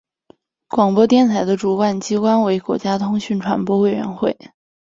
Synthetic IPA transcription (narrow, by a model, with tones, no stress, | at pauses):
kwɑ˨˩ŋpwɔ˥t̪jɛ˥˧nt̪ʰa˧˥ɪd̪ə˧ʈ͡ʂu˨˩wa˥˩nt͡ɕi˥kwa˥nwe˧˥ɪkwɔ̰˧˥t͡ɕja˥t̪ʰʊ˥ŋɕy˥˩nʈ͡ʂʰwa̰˧˥npwɔ˥we˨˩ɪɥɛ̰˧˥nxwe˥˩ɪ